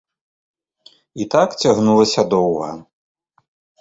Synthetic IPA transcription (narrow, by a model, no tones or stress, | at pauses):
it̪akt͡sʲaɣnulˠɐsʲɐd̪ɔwɣɐ̰